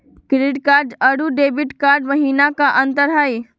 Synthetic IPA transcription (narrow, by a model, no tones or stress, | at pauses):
kɾɪɖkaːɾɖɐɽuɖeːbɪʈkaːɾɖʋɐɦiːnakaʔɐ̃nt̪əɾɦaːiː